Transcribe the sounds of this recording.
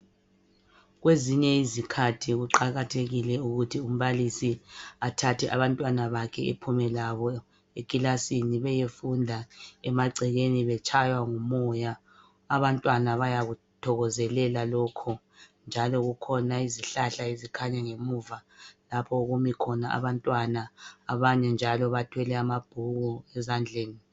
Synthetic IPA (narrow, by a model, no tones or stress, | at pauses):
ɣweziɲɛizikʰatʰiɣuǃaɣatʰeɣilɛuɣutʰium̩βalisiatʰatʰɛʔa̰βantʼwanaβakʰɛepʰumɛlaβɔ | ekʼilasiniβɛjefundʱaɛmaǀʱɛɣeniβɛt͡ʃʼʰajwaŋumɔjaː | βantʼwanaβajaɣu | tʰɔɣɔzɛlɛlalɔkʰɔ | nd͡ʒʱalɔɣukʰɔnaiziɬaɬaizikʰaɲaŋemuːvalapʰɔuɣumikʰɔnaʔa̰βantʼwanaːβaɲɛnd͡ʒʱalɔβatʰwɛlɛamab̥ʱuɣɔɛzand͡ɮʱeːni